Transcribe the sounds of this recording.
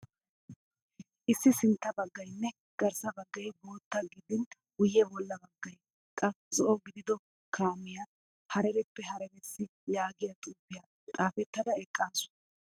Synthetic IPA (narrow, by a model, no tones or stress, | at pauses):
ʔɪsːɪsɪnt̪ːɐbɐɡːɐjnːɛ | ɡ̥ɐɾsɐbɐɡːɐjbo̞ːt̪ːɐɡɪd̪ɪn | wʊjːɛbɔlːɐbɐɡːɐj | kʼːɐ | t͡sʼɔʔɔɡɪd̪ɪd̪ɔ | kʰaːmɪja | hɐɾɛɾɛpːɛɦɐɾɛɾɛsːɪjaːɡɪjɐt̪ʼuːpːɪjɐ | t̪ʼaːfɛt̪ːɐd̪ɐɛkʼːaːsʊ̥